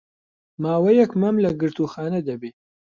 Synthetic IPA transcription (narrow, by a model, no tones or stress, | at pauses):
maːwɐjɛkmɐmlɐɡɨɾt̪uːxaːnɐd̪ɐbeː